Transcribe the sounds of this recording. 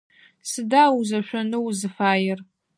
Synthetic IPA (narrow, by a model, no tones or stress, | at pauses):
sɨdaːwuzɐʃʷᶣɐnɨwzɨfaːjɪr